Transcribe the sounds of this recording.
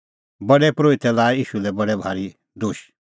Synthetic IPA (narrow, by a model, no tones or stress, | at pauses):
bɐɽɛpɾoːit̪ɛlaːɛiːʃulɛbɐɽɛbʱaːɾi | d̪ʊʃ